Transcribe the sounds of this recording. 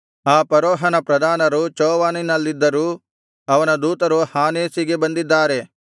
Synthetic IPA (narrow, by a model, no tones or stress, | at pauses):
aːpɐɾoːɦɐnɐpɾɐd̪ʱaːnɐɾut͡ʃɔːʋaːninɐlːid̪ːɐɾuː | ɐʋɐnɐd̪uːt̪ɐɾuhaːneːsiɡe̞bɐnd̪id̪ːaːɾe̞